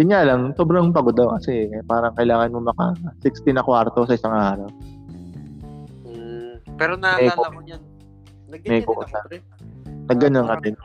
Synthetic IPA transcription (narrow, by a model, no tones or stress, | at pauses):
d̥̪ɪɲjalɐŋsoːbɾɐŋpɐɡod̪ɐwkɐsɛpaːɾɐŋkɐɪlaːŋɐnmomɐkasɪkst̪ɪnɐkwaɾt̪osɐʔɪsaŋʔaːɾɐw | pɛɾomɛko | mɛkoʔʊt̪a | nɐɡːɐnɐnkɐt̪ɪn